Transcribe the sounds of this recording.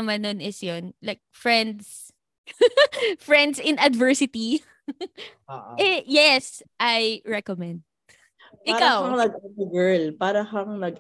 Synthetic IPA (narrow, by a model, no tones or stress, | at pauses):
ɐmɐnːonɪsjonlajk̚fɹɛnd̪s | fɹɛ̃nd̪sɪ̃nɐd̪vɛɹsɪt̪i | ʔɛjɛs | ʔajɹɛkomɛ̃nd̪̚ | ʔɪkawwaŋnɐɡatɐɡɛɹlpaːɾɐhɐŋnɐɡ